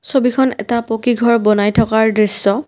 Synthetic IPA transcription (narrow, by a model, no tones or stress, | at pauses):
sobikʰɔnɛ̰tapokiɡʱɔɹbɔnajtʰɔkaɹdɹisːɔ